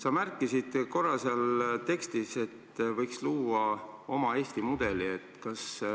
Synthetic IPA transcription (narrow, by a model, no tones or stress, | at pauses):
sɑmærkˑːisid̪̥ko̞rːɑseɑlt̪e̞kst̪ise̞t̪ːvɤjksluːɑo̞mɑe̞ːst̪imud̪̥e̞lie̞t̪ːˑkɑs